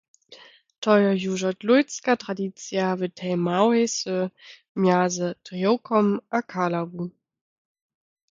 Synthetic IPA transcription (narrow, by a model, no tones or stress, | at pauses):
tʰɔʏɔjuːʒɐtlujt͡skatʁadit͡sjavətʰɛɪmawɛsə | mjaːzətʁiokʰɔmʔakʰalavu